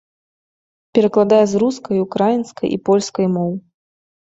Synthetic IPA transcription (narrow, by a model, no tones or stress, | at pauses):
pʲɛɾɐklˠad̪ajɛzɾuskɐjukɾajinskɐjʔḭpɔlʲskɐjmɔw